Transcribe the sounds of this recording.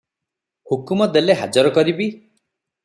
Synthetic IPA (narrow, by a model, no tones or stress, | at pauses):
hukumɔd̪eleɦa̰d͡ʒɔɾɔkɔɾibi